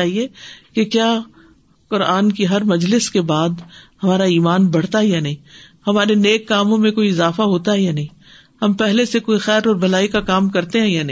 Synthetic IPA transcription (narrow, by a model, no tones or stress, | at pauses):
aːɦiekekjaː | kʊɾaːnkiɦɐɾmɐd͡ʒlɪskebaːd̪hɐmaːɾaiːmaːnbɐɽ̤t̪aɦɛjanɐɦĩːhɐmaːɾeneːkːaːmõmẽkoːiɪzaːfaɦoːt̪aɦɛjanɐɦĩː | hɐmpɛɦlesekoːixɛːɾɔːɾbɐlaːikakaːmkɐɾt̪eɦɛ̃janɐɦĩː